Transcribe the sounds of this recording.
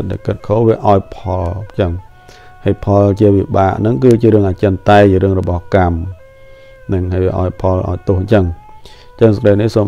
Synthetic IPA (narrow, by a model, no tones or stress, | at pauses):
t̪̚ɗa̰kɨt̪̚kʰoːʋiəʔaɔjpʰɑlɲt͡ɕəŋ | hajpʰɑlt͡ɕiəʋiɓaːʔnɨŋkɨːt͡ɕiəɾɨəŋʔaːt͡ɕəənt̪aɛt͡ɕiəɾɨəŋrɔɓɑhkam | nɨŋɦajʋiəʔa̰ɔjpʰɑlʔa̰ɔjt̪ʊəhɲt͡ɕəŋ | ɲt͡ɕəŋskɾəjnihsoːm